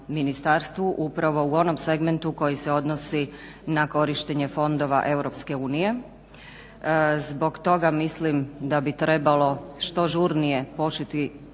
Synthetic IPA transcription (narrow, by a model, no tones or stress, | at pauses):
minist̪aɾst̪ʋuʔupɾaʋo̞uo̞no̞mse̞ɡme̞nt̪uko̞jise̞o̞d̪nosi | nako̞ɾiʃt̪eɲe̞fo̞nd̪o̞ʋa̰ʔe̞wɾo̞pske̞uːnije̞ | zbo̞ɡt̪o̞ɡamislimd̪abit̪ɾe̞balo̞ʃt̪o̞ʒuɾnije̞po̞t͡ʃet̪i